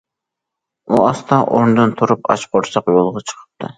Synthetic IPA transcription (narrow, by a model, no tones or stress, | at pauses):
uɑst̪ʰɑʔond̪ɨnt̪ʰuɾupɑ̰t͡ʃqʰoɾsɑqjolˠʁɑt͡ʃʰə̥qʰə̥p̚t̪ʰɨ